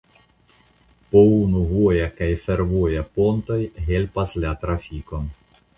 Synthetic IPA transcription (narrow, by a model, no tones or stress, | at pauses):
pounuvojakajfe̞ɾvojapo̞nto̞jɦe̞lpaslatɾafiko̞n